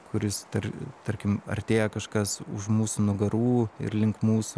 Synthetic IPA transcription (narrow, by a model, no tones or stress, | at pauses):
kʊɾʲɪst̪ɐɾʲt̪ɐɾʲkʲɪmɐ̰ɾʲt̪ʲeːjɛkɐʃkɐsʊ̰ʃmuːsunʊɡɐɾuːɪ̰ɾlʲɪŋkmuːsʊ